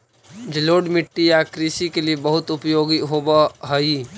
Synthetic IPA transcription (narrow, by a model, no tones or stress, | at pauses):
d͡ʒɐloːɖmɪʈːijakɾisikeliebɐɦʊt̪ʊpjoːɡiɦoːbaɦɐiː